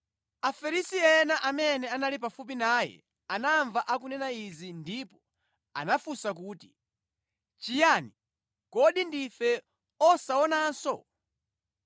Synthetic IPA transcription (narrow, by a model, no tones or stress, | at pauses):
afɛɾisiɛnaʔamɛnɛanalipafup̬inaːjɛ̰ | anaɱvaʔak̬unɛnaizindipɔ | a̰nafusak̬uːti̥ | t͡ʃijani | kɔɗindifɛ | ɔsaɔnansɔ